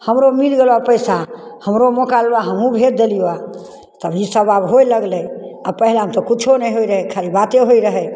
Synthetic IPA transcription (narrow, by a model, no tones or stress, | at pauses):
həmɾomilɡelapəjsahəmɾomokalbaɦəmũbʱet̪̚d̪elijoa | t̪əbisəbabɦojləɡlɛapəɦlaɦəmt̪ɔkit͡ʃʰonɛjɦoiɾəɦɛkʰaɾibat̪eɦoiɾəɦɛ